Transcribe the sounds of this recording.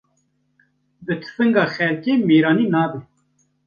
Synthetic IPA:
bɨt̪ʰɨ̥fɨŋɡɑːxɛlkeːmeːɾɑːniːnɑːbe

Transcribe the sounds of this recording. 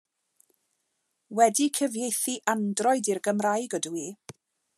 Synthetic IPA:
wɛdikʰəvjejθiʔandrɔɨdirɡəmrajɡədwiː

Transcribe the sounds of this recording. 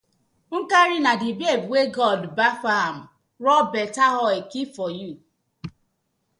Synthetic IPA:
ŋ̩kaɾinadibiɛbiweɡɔdbafaham̩ | ɾɔbɛtaɦɔɛkifɔju

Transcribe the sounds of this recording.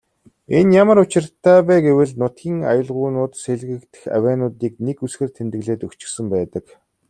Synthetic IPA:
enjamə̆rʊt͡ɕɪ̆rt̪ʰːæːpæːɡewɘ̆ɮnʊt̪ɡʲiːŋa̰jə̆ɮʁʊːnʊːt̪seɮɣɘ̆kt̪ɘ̥̆xæ̰wʲæːnʊːt̪iːk̚nekusxĕrt̪ʰent̪ɘ̆ɣɮeːt̪ɵkt͡ɕɪ̥̆xsɘ̆mpæːt̪ə̆k

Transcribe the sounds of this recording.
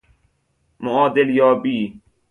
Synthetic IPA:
mʊaːd̪ɪljaːbiː

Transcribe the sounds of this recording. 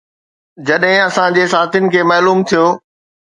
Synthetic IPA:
d͡ʑɐɗɦɪ̃ɐsãd͡ʑeːsaːt̪ʰjʊnɪ̆kʰeːmɐːluːmt̪ʰijoː

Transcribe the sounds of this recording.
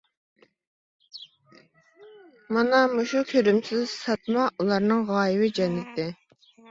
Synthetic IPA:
mɑnɑmuʃukʲʰøɾymsɪzsɑt̪̚mɑʔulˠɑɾnɨŋʁɑːjɪwɪd͡ʒɛnːɪt̪ʰɪ

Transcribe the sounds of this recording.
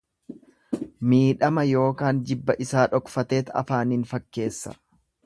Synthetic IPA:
miːᶑɐmɐjo̞ːkaːnd͡ʒɪbːɐʔɪsaːᶑɔkfɐt̪e̞ːt̪ɐ̰faːnɪnfɐkːe̞ːsːɐ̥̰

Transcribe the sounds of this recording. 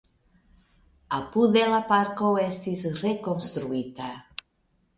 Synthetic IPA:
apuðelapaɾkowɛst̪isrekonst̪ɾuit̪a

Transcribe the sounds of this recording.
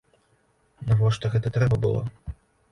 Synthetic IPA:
nɐvɔʂt̪ɔɣɛt̪ɐt̪ɾɛbɐbɨ̰lˠɔ̰

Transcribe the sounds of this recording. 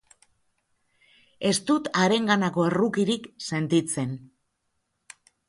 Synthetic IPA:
e̞st̪ut̪aɾe̞ŋɡanako̞e̞rukiɾikse̞nt̪it͡se̞n

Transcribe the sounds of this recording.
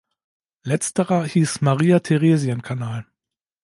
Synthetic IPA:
lɛt͡stəʁɐhiːsmaʁiːatʰeʁeːzjankʰanaːl

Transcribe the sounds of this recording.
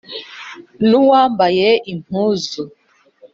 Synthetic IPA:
nuwambajɛi̥uzu

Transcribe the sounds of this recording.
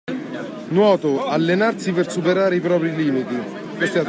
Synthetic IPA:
nwɔːt̪ʊalːenarsipersupeɾaːɾeipɾɔːpɾiliːmit̪i | kest̪a

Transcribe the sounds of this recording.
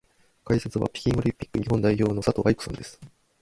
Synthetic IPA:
kaise̞t͡sɨβa̰pʲi̥kʲĩɰ̃oɾʲĩmpʲi̥kːɯ̟ɲ̟iɦõ̞nd̪aiço̞ːno̞sat̪o̞ʔaikɯ̟̥sõnd̪e̞sɨ̥

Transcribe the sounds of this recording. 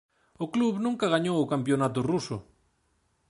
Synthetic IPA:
ʊkluβnũŋkaɣaɲowʊkampjonat̪̬ʊrusʊ

